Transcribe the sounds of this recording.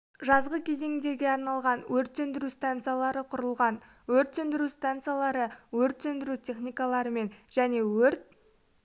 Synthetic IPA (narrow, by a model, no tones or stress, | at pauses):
ʒɑzʁəkʲʰe̞ze̞ŋɪd̪e̞ɾɡʲe̞ɑɾnɑlˠʁɑnwɵɾt̪sɵnd̪ɪɾust̪ant̪sɨjalˠɑɾəqʰʊɾəlˠʁɑn | wɵɾt̪sɵnd̪ɪɾust̪ant̪sɨjalˠɑɾəwɵɾt̪sɵnd̪ɪɾutʲʰe̞χnʲijkalˠɑɾəme̞nʒæne̞wɵɾt̪̚